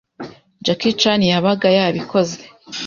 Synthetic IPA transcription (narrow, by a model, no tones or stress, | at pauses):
d͡ʒakit͡ʃanijaβaɡajaβikʰoze̥